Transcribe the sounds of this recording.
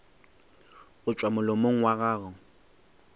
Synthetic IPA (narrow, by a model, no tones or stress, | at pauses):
ɣʊt͡ʃʼwamʊlomoŋ̩waɣaːɣʊ